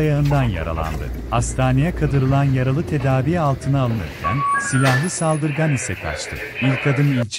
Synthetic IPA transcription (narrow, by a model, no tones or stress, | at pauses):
ajaɯnd̪anja̰ɾa̰lˠa̰nd̪ɯ̰ | ast̪ʰaːnejɛkʰad̪ɯɾɯlˠanjaɾalˠɯt̪ʰe̞d̪aːvijɛalˠt̪ʰɯnaalˠɯnɯ̰ɾcʰæ̰nsilʲahlˠɯsalˠd̪ɯɾɡanisɛkʰa̰t͡ʃt̪ʰɯ | ilʲkʰad̪ɯnilʲt͡ʃʰ